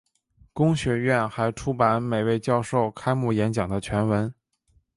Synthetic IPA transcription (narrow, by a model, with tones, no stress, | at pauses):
kʊ˥ŋɕɥɛ˧˥ɥɛ˥˩nxa˧˥ɪʈ͡ʂʰu˥pa˧˥nme˨˩ɪwe˥˧ɪt͡ɕjɑ˥˧ʊʂo˥˩ʊkʰa˥ɪmu˥˩jɛ˧˥nt͡ɕjɑ˨˩ŋd̪ə˦t͡ɕʰɥɛ˧˥nwə˧˥n